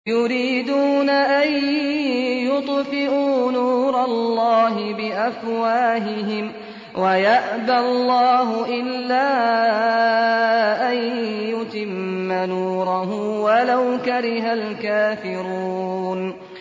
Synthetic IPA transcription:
jʊɾiːd̪uːnaʔan | jʊt̪ˤfɪʔuːnuːɾˤɑlːɑːɦɪbɪʔafwaːɦɪɦɪm | wajaʔballˤːɑːɦʊʔɪlːaː | ʔanjʊt̪ɪmːanuːɾˤɑɦʊmwalawkaɾɪɦalkaːfɪɾuuːn

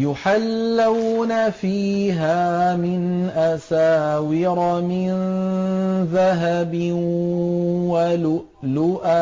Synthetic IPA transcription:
jʊħalːawnafiːɦaːmɪnʔasaːwɪɾɑmɪn | ðaɦabɪ | wa | lʊʔa

